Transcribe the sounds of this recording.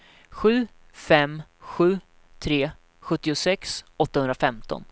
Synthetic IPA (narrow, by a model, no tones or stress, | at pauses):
ɧʉ̟ː | fɛmɧʉ̟ː | t̪ʰɾeː | ɧɵt̪ːɪʊsɛksɔt̪ːahɵnd̪ɾafɛmt̪ʰɔ̰n